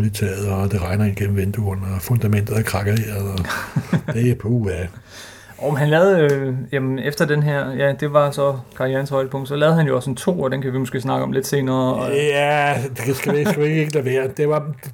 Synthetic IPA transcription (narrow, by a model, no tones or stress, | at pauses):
lit͡sʰɛ̰ːð̩ˠd̥eʁɑ̈ɪnɐinɡ̥en̰m̩ʋend̥uɔnɐfɔnd̥æmen̰d̥ð̩ˠækʰʁɑ̈ɡ̥ɐeeɐ | d̥epʰoæ | ʔɒʊmenhænlɛːð̩ˠøjæmnefd̥ɐd̥enɦeɐ̰jæd̥e̝ʋɑ̈sɒ̽kʰɑ̈ijænshɒ̽ɪd̥əpʰɔ̽ŋ̰d̥sɒ̽lɛːð̩ˠhænjoɒ̽sent͡sʰo̝̰ːɒ̽d̥enkʰæʋimosɡ̥e̝̰ːsnɑ̈ɡ̥ɒ̽mle̝d̥se̝ːnɐːæ̥esɡ̥æsɡ̥æʋieɡ̥eɡ̥əleʋeːɐd̥e̝ʋɑ̈